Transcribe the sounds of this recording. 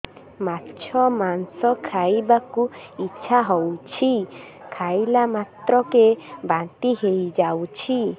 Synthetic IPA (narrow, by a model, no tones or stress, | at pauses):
matt͡ʃʰɔmansɔkʰajbakuit͡ʃʰaɦowt͡ʃʰi | kʰajlamat̪ɾɔkebant̪iɦejd͡ʒawt͡ʃʰi